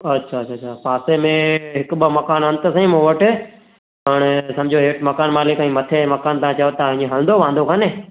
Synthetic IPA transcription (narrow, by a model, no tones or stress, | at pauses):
ɐtːʃʰaːtt͡ʃʰaːt͡ɕʰapaːsemẽɦɪkɓəmɐkaːnɐ̃nt̪əsɐ̃ĩmõʋəʈɪ | pəɽ̃sɐ̃md͡ʑʱoɦeːʈmɐkaːnmaːlɪkĩːmɐt̪ʰemɐkaːnt̪ɐãːt͡ɕɐjot̪ɐɪ̃ɲẽɦɐ̃l̃nd̪oʋãːnd̪okʰanẽː